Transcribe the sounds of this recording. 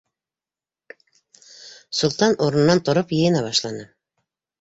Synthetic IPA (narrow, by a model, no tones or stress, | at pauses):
sulˠt̪ɑnʔoɾ̆nnːɑnt̪ŏɾopjɤ̆jə̆nɑβɑʃlˠɑnɤ